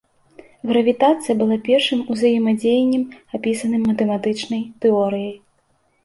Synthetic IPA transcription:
ɣɾɐvʲit̪at̪sɨjɐbɨlˠapʲɛrʂɨmuzajɛmɐd͡zʲejɐnʲːɛmapʲisɐnɨmːɐt̪ɛmat̪ɨt͡ʂnɐjt̪ɛɔɾɨjɐj

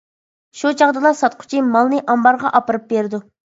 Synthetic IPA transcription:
ʃut͡ʃʰɑʁd̪ɨlˠɑsɑt̪̚qʰʊ̥t͡ʃʰimɑlˠnɨʔɑmbɑɾʁɑʔɑpɨɾɨp̚beɾd̪u

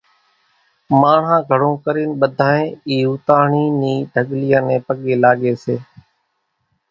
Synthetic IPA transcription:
maːɳ̤ãːɡʱəɽ̤õːkəɾiːnɓəd̪ʱaːẽːiːʊːt̪aːɳiːniːɖʱəɠlɪjãːnẽːpəɠeːlaːɠeːseː

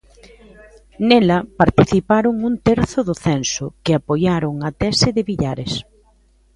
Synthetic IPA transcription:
nɛlɐpaɾt̪iθipaɾʊŋunt̪ɛɾθʊðʊθɛnsʊkɪapojaɾʊŋɐt̪ɛsɪðɪβiʎaɾɪs

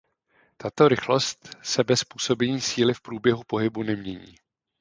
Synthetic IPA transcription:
t̪at̪o̞ɾɪxlost̪sɛbɛspuːso̞bɛɲiːsiːlɪfpɾuːbjɛɦupo̞ɦɪbunɛmɲɛɲḭː

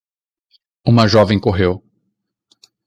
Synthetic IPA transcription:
ũmɐʒɔvẽj̃koɦew

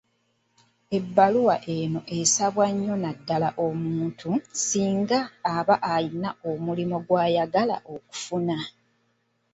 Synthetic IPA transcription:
e̞bːaluwaʔe̞no̞ʔe̞saβwaɲːo̞nadːalaʔo̞muːntʰusiːŋɡaːβaʔainaomulimo̞ɡwaːjaɡala̰ʔo̞ku̥funa

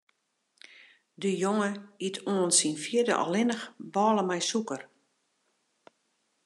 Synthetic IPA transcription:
dəjoŋəitʰoənsinfjɪədə̰ʔɔ̰lɪnəxbɔːləmɛjsukər

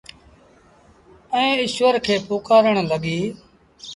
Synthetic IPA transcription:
ɛ̃ːɪʃʋəɾkʰeːpoːkaːɾəɳləɠiː

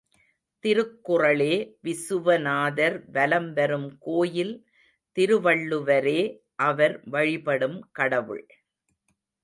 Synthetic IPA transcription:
t̪ɪɾɯkːʊrɐɭeːʋɪsɯʋɐnaːðɐɾʋɐlɐmʋɐɾɯmkoːjɪl | t̪ɪɾɯʋɐɭːɯʋɐɾeː | ʔɐʋɐɾʋɐɻɪpɐɽɯmkɐɽɐʋɯ̰ɭ

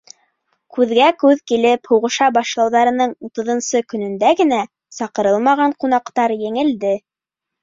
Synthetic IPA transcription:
kʉðɡækʉðkilɘphuwʁɤ̆ʃɑbɑʃlˠɑwðɑɾɤ̆nɤɴut̪ɤ̆ðŏnsɤkɵ̆nɵ̆nd̪æɡɘ̆næ | sɑqɤ̆ɾɤlˠmɑʁɑɴqun̪ɑqt̪ɑɾjɘ̆ŋɘ̆ld̪ɘ

